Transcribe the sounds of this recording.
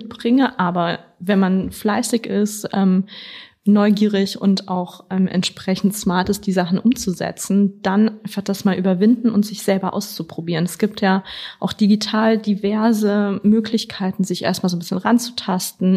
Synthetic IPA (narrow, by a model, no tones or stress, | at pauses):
t̚b̥ʁɪŋəʔaːbɐvɛnmanflaɪsɪçɪstʔɛːm | nɔʏɡiːʁɪçʊ̰ntaʊxʔɛːmʔɛ̰ntʃpʁ̥ɛçn̩tsmaɐtɪsd̥iːzaχn̩ʔʊmt͡suzɛ̰t͡sn̩d̥anʔaɪnfaχd̥asmaːlʔyːbɐvɪndn̩ʊntz̥ɪçz̥ɛlbɐʔa̰ʊst͡supʁ̥obiːʁənɛsɡ̥iːp̚tʰjaːʔaʊxd̥iɡitʰaːldivɛɐzəmøːklɪçkʰaɪtn̩zɪçʔḛːɐstmaːlzonbɪsçənʁant͡su̥tʰastn̩